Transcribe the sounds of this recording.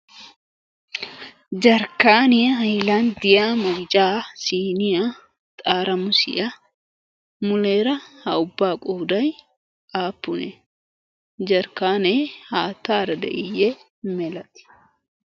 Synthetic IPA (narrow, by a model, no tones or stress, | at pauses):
d͡ʒɐɾkaːnɪɦɐjland̪ɪjamɐɡɪd͡ʒaːsiːnɪja | t̪ʼaːɾɐmʊsɪ̰ʔɐ | mʊleːɾɐhɐʊbːaːkʼuːd̪ɐj | ʔaːpːʊnɛ | d͡ʒɐɾkaːneːhaːt̪ːaːɾɐd̪ɛ̰ʔɪjːɛ | mɛlɐt̪ɪ̥